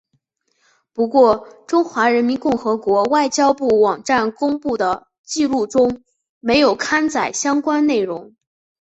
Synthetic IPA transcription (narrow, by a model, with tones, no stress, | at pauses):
pu˧˥kwɔ˥˩ʈ͡ʂʊ˥ŋxwa˧˥ɻə˧˥nmi˧˥nkʊ˥˩ŋxɤ˧˥kwɔ˧˥wa˥˩ɪt͡ɕjɑ˥ʊpu˥˩wɑ˨˩ŋʈ͡ʂa˥˩nkʊ˥ŋpu˥˩d̪ə˩ | t͡ɕi˥˧lu˥˩ʈ͡ʂʊ˥ŋ | me˧˥ɪjo˨˩ʊkʰa˥nt͡sa˥˨˩ɪɕjɑ˥ŋkwa˥nne˥˩ɪɻʊ˧˥ŋ